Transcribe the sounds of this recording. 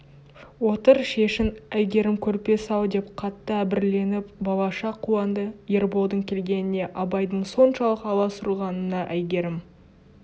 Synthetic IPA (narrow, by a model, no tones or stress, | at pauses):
wo̞t̪əɾʃe̞ʃɪnæjɡʲe̞ɾɪmkʲʰɵɾpe̞sɑw̪ˠd̪e̞pqʰɑt̪ːəæbɪɾle̞nɪpbɑlˠɑʃɑqʰːuɑnd̪əje̞ɾbo̞lˠd̪əɴkʲʰe̞lɡʲe̞nɪne̞ʔɑbɑjd̪əɴso̞nʃɑlˠəqɑlˠɑsʊɾuʁɑnənɑʔæjɡʲe̞ɾɪm